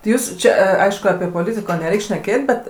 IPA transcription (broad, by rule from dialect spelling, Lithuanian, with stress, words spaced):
tʲɪ ˈjuːs ˈt͡ʃʲɛ ɐ ˈɐɪʃkʊ ɐpʲiɛ poːˈlʲɪtʲɪkoː nʲɛˈrʲɛɪkʲ ʃʲnʲɛˈkʲeːtʲ bʲɛt